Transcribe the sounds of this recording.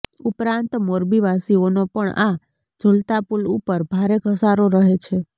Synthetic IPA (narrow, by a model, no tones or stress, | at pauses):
upɾant̪moɾbiʋasionopəɳa̰ | d͡ʒəlt̪apulupəɾbʱaɾekəsaɾoɾəɦet͡ʃʰe